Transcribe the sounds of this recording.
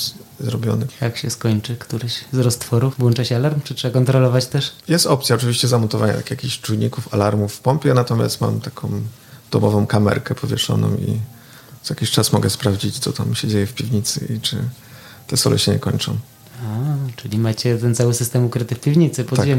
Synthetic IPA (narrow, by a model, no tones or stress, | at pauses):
zɾɔbʲjɔ̰nɨt̪akɕɛskɔɲt͡ʂɘkt̪uɾɘɕzɾɔst̪fɔɾufvwɔnt͡ʂaɕɛalaɾmt͡ʂɨtʂɛbakɔnt̪ɾɔlɔvat͡ɕt̪ɛʂjɛst̪ɔpt̪sʲjaɔt͡ʂɘvʲiɕt͡ɕɛzamɔnt̪ɔvaɲa̰akʲjakʲiɕt͡ʂujɲikufalaɾmufpɔmpʲjɛnat̪ɔmʲja̰st̪ma̰mt̪akʰɔ̃w | d̪̥ɔmɔvɔ̃w̃kamɛ̰ɾkɛpʰɔvʲjɛʂɔ̰nɔ̰̃w̃ḭ | zaja̰kʲiɕt͡ʂasmɔɡɛspɾavd͡ʑit͡ɕt̪sɔt̪amɕɛd͡ʑejɛfpʲivɲit̪sɘ̰it͡ʂɘ | t̪ɛsɔ̰lʔɛ̰ɕɛɲɛkɔɲt͡ʂɔ̰̃w̃ | at͡ʂɘlʲimat͡ɕɛt̪ɛnt̪sawɘsɘst̪ɛmukɾɘt̪ɘfpʲivɲit̪sɘpɔaɛ